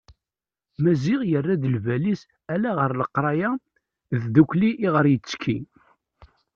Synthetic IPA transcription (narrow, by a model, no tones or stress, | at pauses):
mæziʁjərːæd̪əlvælis | ælæʁəɾləqːɾˤɑja | ððukʷliʔːʁəɾjət͡sːkʰi